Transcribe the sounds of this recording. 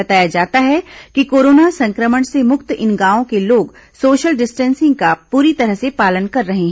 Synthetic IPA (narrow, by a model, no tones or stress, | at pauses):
ɐt̪aːjad͡ʒaːt̪aɦɛkikoːɾoːnasɐ̃ŋkɾəməɳ̃semʊkt̪ɪnɡaːõkeloːɡ | soːʃəlɖɪsʈɛ̃ːnsɪ̃ŋɡ̚kapuːɾit̪ɐɾəɦsepaːlənkɐɾːɐɦẽɦɛ̃